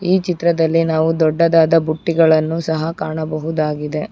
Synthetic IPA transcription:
iːt͡ʃit̪ɾɐd̪ɐlːinaːʋud̪ɔɖːɐd̪aːd̪ɐbuʈːiɡɐɭɐnːusɐɦɐkaːɳɐbɐɦud̪aːɡid̪e̞

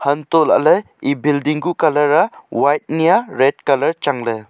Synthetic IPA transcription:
həntɔla̰ʔləj | ibildiŋɡukalɐɾawajt̚nijaɾɛd̚kalɐɾt͡ʃaŋle

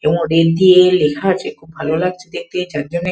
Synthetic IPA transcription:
ebɔ̃ŋɾeɾd̪ielekʰaɾd͡ʒekʰubːʱalolaɡ̚t͡ɕʰed̪ek̚t̪ed͡ʑaɾd͡ʑone

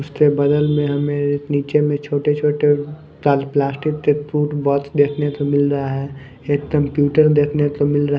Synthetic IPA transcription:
ʊssebɐd̪əlmẽɦɐmẽɪsniːt͡ʃemẽt͡ʃʰoːʈet͡ʃʰoːʈe | t̪aːlplaːsʈɪk̚t̪et̪ɾuːʈbɔːtsd̪eːkʰnet̪omɪlɾɐɦaɦɛː | eːkːəmpjuːʈəɾd̪eːkʰnet̪omɪlɾɐɦ

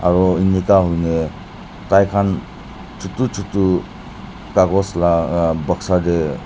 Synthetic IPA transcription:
a̰ɾɔinikaɦujne | tajkʰan | t͡ʃʰutut͡ʃʰutu | kaɡɔslabəksade

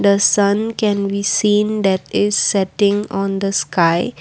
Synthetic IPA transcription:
d̪əsʌ̃nkɛ̃nbisĩːnd̪ɛʈɪzːɛʈɪ̃ŋɔ̃nd̪əskaɪ

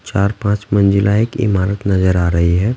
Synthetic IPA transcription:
t͡ʃaːɾpãːt͡ʃmɐ̃nd͡ʒɪlaekɪ̰maːɾət̪nɐzəɾaːɾɐɦiɦɛː

